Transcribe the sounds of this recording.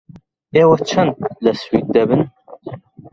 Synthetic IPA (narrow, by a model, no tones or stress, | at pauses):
eːwɐt͡ʃʰɐnd̪lɐswit̪̚d̪ɐbɨn